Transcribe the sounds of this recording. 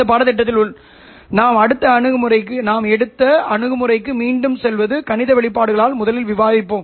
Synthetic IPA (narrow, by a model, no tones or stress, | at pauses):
ɐpaːɽɐt̪̬ːɪʈ̬ːɐt̪ːɪlʊɭ | naːmɐɽɯt̪ːɐɐɳɯɣɯmɯrɐɪkːɯnaːmɛɽɯt̪ːɐɐɳɯɣɯmɯrɐɪk̬ːɯmiːɳɖɯmsɛlʋɐðɯkɐɳɪðɐʋɛɭɪp̬ːaːɽɯɣɐɭaːlmʊðɐlɪlʋɪʋaːðɪpːoːm